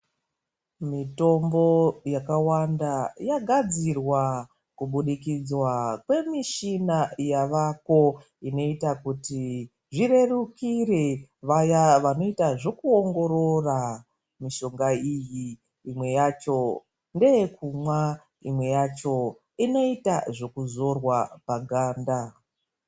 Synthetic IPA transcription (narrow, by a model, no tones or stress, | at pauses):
mito̞mbo̞jakawandajaɡʱad͡zirwa | kuɓuɗikid͡zwakwe̞miʃinajaʋako̞ | ino̞itakuti | ʐiɾe̞rukireʋajaʋano̞itaʐo̞kuoŋɡo̞ɾo̞ra | miʃo̞ŋɡaijiː | mwe̞jat͡ʃo̞ | nde̞jekumwa | imwe̞jat͡ʃo̞ | ino̞itaʐo̞kuzo̞rwapaɡʱaːnda